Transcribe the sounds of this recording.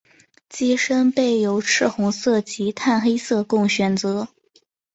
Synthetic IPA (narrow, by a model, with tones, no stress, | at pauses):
t͡ɕi˥ʂə˥npe˥˩ɪjo˧˥ʊʈ͡ʂʰɻ̩˥˩xʊ˧˥ŋsɤ˥˩t͡ɕi˧˥t̪ʰa˥˩nxe˥ɪsɤ˥˧kʊ˥˩ŋɕɥɛ˨˧˩nt͡sɤ˧˥